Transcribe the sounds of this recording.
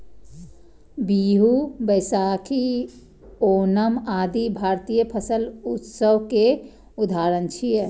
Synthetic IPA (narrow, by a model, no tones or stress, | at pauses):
biɦubəɪsakʰi | oːnəmad̪ibʱaɾt̪ijəpʰəsəlut̪səʋke | ud̪ʱaɾənt͡ʃʰije